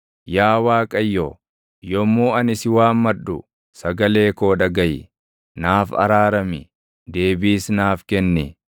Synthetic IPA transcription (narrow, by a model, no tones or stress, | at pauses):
jaːwaːkʼɐjːoː | jɔmːoːɐnɪsɪwaːmːɐᶑʊ̰ | sɐɡɐle̞ːko̞ːᶑɐɡɐjɪ | naːfɐ̰ɾaːɾɐmɪ | d̪e̞ːbiːsnaːfkɛnːɪ